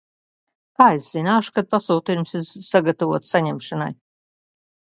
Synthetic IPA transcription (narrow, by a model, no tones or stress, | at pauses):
kaːesz̥inaːʃu̥kad̪̚pasuːt̪ijumsiɾsaɡat̪avuɔt̪saɲɛmʃana̰j